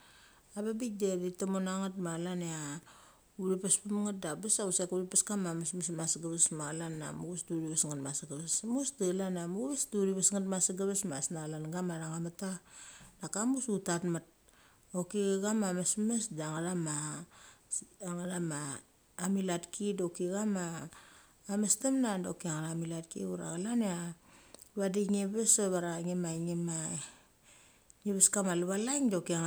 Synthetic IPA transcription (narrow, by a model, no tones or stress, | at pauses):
ababideditomonaŋatmalanea | uɾipaspamŋat̚dabasausekuɾipaskamamasmasmasɡaβesmalanːa̰muɡusduɾiβasŋatmasaɡaβesmusdalanamuβesduɾiβasŋatmasaɡaβesmasnalanɡamaɾaŋamatadakamusutatmat̚ | okiɣɡamamasmesdaŋaɾama | aŋaɾamaː | milatkʰidokiɡamaː | mastemnadokiaŋaɾamilat̚kḭuɾa̰ɣalanea | lβadiŋeβesoβaɾaŋemaŋema | ŋeβeskamaluβalajŋdakiŋ